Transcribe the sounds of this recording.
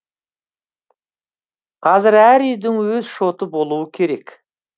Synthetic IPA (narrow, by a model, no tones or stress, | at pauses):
qʰɑzɪɾæɾʏjd̪ɪŋwɵzʃo̞t̪əbo̞lˠuəkʲʰe̞ɾe̞kʲ